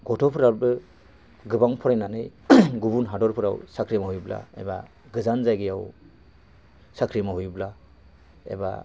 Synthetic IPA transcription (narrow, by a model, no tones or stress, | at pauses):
ɡɔtʰɔpʰɯɾaɾbɯ | ɡɯbaŋpʰɔɾajnanɯjɡubunɦadɔɾpʰɯɾa̰wsakʰɾimahujbla̰ḛba̰ | ɡɯzanzajɡɯjaw | sakʰɾimaɦujbla | ḛba̰